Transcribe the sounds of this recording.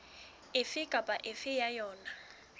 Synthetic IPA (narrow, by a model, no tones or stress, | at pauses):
ɪfɪkʼapʼaʔɪfɪjajɔːna